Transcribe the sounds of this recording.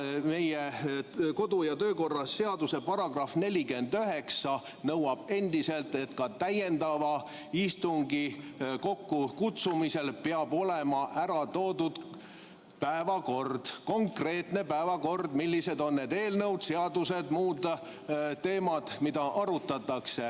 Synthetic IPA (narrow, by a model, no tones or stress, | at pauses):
me̞jeko̞d̪ujɑt̪øːko̞rːɑsːe̞ɑd̪use̞pɑɾɑɡ̥rɑfne̞lʲike̞nd̪̥yɦe̞ksɑ | nɤwɑb̥e̞nd̪̥ise̞lt̪e̞t̪kɑt̪æje̞nd̪ɑvɑ | ist̪uŋɡiko̞kːukut̪sumise̞lpeɑbo̞lemɑʔæɾɑt̪o̞ːd̪ud̪̥ | pæevɑko̞rd̪̥ko̞ŋkre̞ːt̪ne̞pæevɑko̞rd̪milʲːise̞d̪o̞nːe̞d̪e̞ːlnɤwd̪se̞ɑd̪use̞d̪muːd̪ | t̪ːe̞ːmɑd̪̥mid̪ɑʔɑɾut̪ːˑɑt̪ːˑɑkse̞